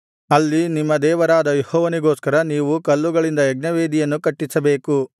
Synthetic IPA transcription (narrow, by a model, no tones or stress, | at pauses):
ɐlːinimːɐd̪ɛːʋɐɾaːd̪ɐjehɔːʋɐniɡo̞ːskɐɾɐniːʋukɐlːuɡɐɭind̪ɐɛɡ̚nɐʋeːd̪ijɐnːukɐʈːisɐbe̞ːku